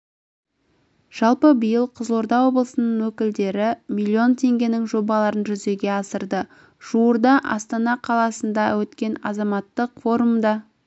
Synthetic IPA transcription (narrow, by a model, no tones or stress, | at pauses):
ʒ̥ɑlˠpəbəjəlˠqʰəzlˠo̞ɾd̪ɑwo̞blˠəsənəɴwɵkʲɪld̪e̞ɾɪmilʲːio̞nt̪ʰe̞ŋɡʲe̞nɪŋʒo̞bɑlˠɑɾənʒʏze̞ɡʲe̞ɑsəɾd̪ə | ʒ̥uwəɾd̪ɑʔɑ̰st̪ɑnɑqʰɑlˠɑsənd̪ɑwɵt̪kʲe̞nɑ̰zɑmɑt̪ːəqfo̞ɾumd̪ɑ